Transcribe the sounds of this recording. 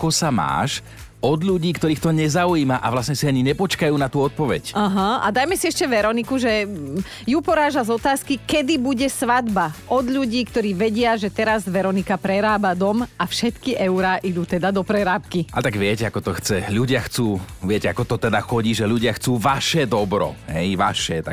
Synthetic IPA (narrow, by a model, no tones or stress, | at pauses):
kɔsama̰ːʃ | ɔd̪ʎuɟiːkt̪ɔɾiːxt̪ɔɲɛzauiːmaʔaʋlasɲɛsiaɲiɲɛpɔt͡ʃkajuːnat̪uːɔt̪̚pɔʋɛ̰caɦaa̰d̪ajmɛsiɛʃcɛʋɛɾɔnikuʒɛ | jupɔɾaːʒazɔt̪aːskikɛd̪ibuɟɛsʋad̪baʔɔd̪ʎuɟiːkt̪ɔɾiːʋɛɟɪaʒɛt̪ɛɾazʋɛɾɔnikapɾɛɾaːbad̪ɔmafʃɛt̪kiʔɛʊɾaːʔid̪uːt̪ɛd̪ad̪ɔpɾɛɾaːp̚kiat̪aɡʋɪɛcɛakɔt̪ɔxt͡sɛʎuɟɪaxt͡suːʋɪɛcɛa̰kɔt̪ɔt̪ɛd̪axɔɟiːʒɛʎuɟɪaxt͡suːʋaʃɛd̪ɔbɾɔ̰ɦɛjʋa̰ʃɛt̪a̰